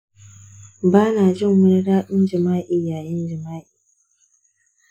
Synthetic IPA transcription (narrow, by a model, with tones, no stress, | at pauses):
baː˦naː˨d͡ʒɪ˦˨ŋwʊ˦ɽɽaː˦ɗɪ˦nd͡ʒɪ˨maː˦ʔiː˨jaː˨jɪ˦nd͡ʒɪ˨maː˦ʔiː˨